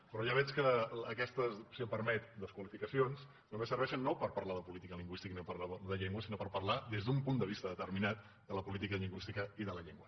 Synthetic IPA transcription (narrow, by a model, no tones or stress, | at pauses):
pəɾɔʒaβ̞ɛt͡ʃkəːkɛst̪əzsipəɾmɛt̪̚d̪əskwəlifikəsions | t̪umbesəɾβɛʃənːopəɾpɐɾlaðəpulit̪ikəliŋɡwist̪ikəinopəɾlaðəʎeŋɡwəsinopəɾpərlaðezðumpund̪əβ̞ist̪əðət̪əɾminat̪̚ | d̪ələpulit̪ikəðʎiŋɡwist̪ikəiðələʎeŋɡwə